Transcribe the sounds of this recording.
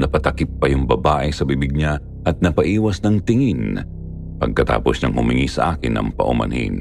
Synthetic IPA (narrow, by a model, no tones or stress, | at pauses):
nɐpɐt̪ɐkɪp̚ːɐjʊŋbɐbaːʔɛsɐbibɪɡ̚ɲa | ʔɐt̪̚nɐpɐʔiːwɐsnɐŋt̪ɪŋin | pɐɡ̚kɐt̪a̰ːposɲɐŋhʊmɪŋisɐ̰ʔaːkɪnʔɐ̰ŋpɐ̰ʔʊmɐ̰nhḭn